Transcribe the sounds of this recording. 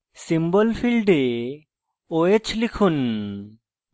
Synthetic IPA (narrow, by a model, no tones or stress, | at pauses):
simbɔlpʰilɖe | oet͡ʃʰlikʰun